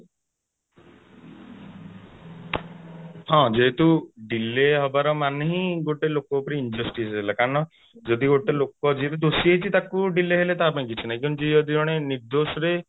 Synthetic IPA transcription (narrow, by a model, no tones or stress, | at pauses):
hɔ̃d͡ʒeɦet̪uɖileɦɔbaɾɔmaneɦĩɡoʈelokɔpɔɾiːnd͡ʒɔsʈisɦelakaɾɔɳ̃ɔ | d͡ʒɔd̪iɡoʈelokɔd͡ʒeɦet̪ud̪osiejt͡ʃʰit̪akuɖileɦelet̪aːpaĩkit͡ʃʰinaɦĩkĩd͡ʒeɔd̪id͡ʒɔɽ̃eniɾd̪osɔɾe